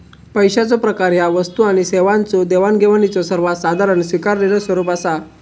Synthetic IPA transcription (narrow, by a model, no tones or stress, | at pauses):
pəjɕat͡sɔpɾəkaɾjaʋəst̪uaɽ̃iseʋãnt͡sod̪eʋanɡʱeʋanit͡sɔsəɾʋasad̪ʱaɾənsʋikaɾneləsʋəɾuːpasa